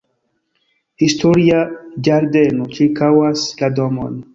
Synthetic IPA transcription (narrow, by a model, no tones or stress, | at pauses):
histoɾiad͡ʒaɾdenot͡ʃiɾkawasladomo̰n